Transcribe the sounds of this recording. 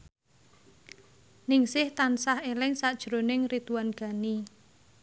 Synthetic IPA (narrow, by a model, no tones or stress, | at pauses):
nɪŋsɪht̪ansahelɪŋsad̥ʒ̥ɾo̤nɪŋrit̪uwanɡ̥a̤ni